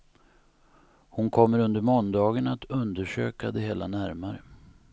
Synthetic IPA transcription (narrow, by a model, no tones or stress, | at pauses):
hʊnkʰɔmːəɾɵnd̪əɾmɔnd̪ɑːɡənat̪ʰɵnd̪əʂø̰ːkad̪ɛɦeːlanæɾmaɾə